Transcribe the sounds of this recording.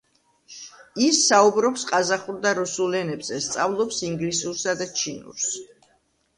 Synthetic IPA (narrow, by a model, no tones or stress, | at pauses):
isːaubɾɔpsqʼazaχuɾd̪aɾusulɛnɛbz̥ɛst̪sʼavlˠɔpsiŋɡlisuɾsad̪at͡ʃʰinṵɾs